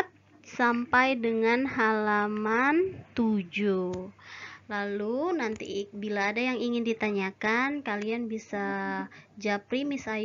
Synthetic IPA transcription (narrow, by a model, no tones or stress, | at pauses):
t̪̚ | sampajdəŋanɦalamant̪ud͡ʒu | lalunant̪ḭbilaːdajaŋiŋɪndit̪aɲakankalianbisa | d͡ʒapɾimɪsaj